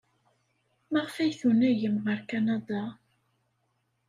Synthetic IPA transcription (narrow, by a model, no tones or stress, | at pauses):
məʁəfæjθunæjəmʁəɾkɑnɑd̪ɑ